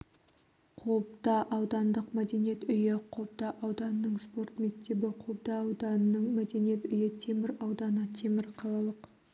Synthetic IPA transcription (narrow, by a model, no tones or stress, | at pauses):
qʰopt̪ɑʔɑwd̪ɑnd̪əqmæd̪e̞nije̞t̪ʏjɪqʰop̚t̪ɑʔɑwd̪ɑnənəɴspo̞rt̪me̞k̚t̪e̞bɪqʰop̚t̪ɑːwd̪ɑnənəɴmæd̪e̞nije̞t̪ʏjɪt̪ʰe̞mɪɾɑwd̪ɑnət̪ʰe̞mɪɾqʰɑlˠɑlˠəq